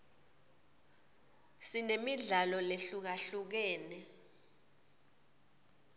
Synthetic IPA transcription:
sinemiɮalɔleɬuk̬aɬuk̬ɛːnɛ

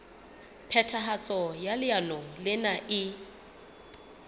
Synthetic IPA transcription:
pʰɛtʰaɦat͡sʼɔjalɪanɔlɪnaʔɪ

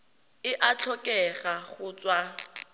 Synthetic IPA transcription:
ɪʔat͡ɬʰɔkʼɛχaχʊt͡swa

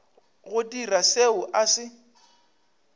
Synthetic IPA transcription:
ɣʊdiraseʊʔasɪ

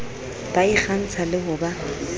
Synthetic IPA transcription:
b̥aiχan̩t͡sʰalɪɦʊba

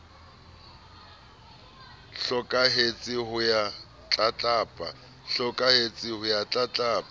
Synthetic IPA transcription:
ɬɔkʼaɦet͡sʼɪhʊja | t͡ɬʼat͡ɬʼaːpʼa̰ | ɬɔkʼahet͡sʼɪhʊjat͡ɬʼat͡ɬʼaːpʼa

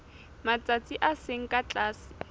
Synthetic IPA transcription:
mat͡sʼat͡sʼiʔaseŋ̩kʼat͡ɬʼaːsɪ̥

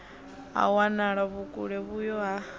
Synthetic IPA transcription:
a̰wanaɺaβukʼṵɺɛβujɔa

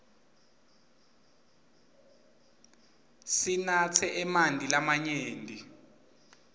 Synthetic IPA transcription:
sinat͡sʰɛʔɛmandʱilamaɲeːndʱi

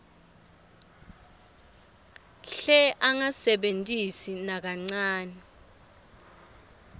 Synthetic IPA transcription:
ɬɛʔaŋasɛɓentʼisinak̬aŋ͡ǀaːnɛ

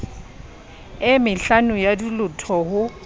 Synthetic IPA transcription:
ɪmɪɬanʊjadilʊtʰɔɦʊ

